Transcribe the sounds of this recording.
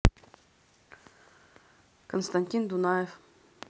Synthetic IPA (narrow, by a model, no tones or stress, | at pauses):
konst̪anʲtʲind̪unajef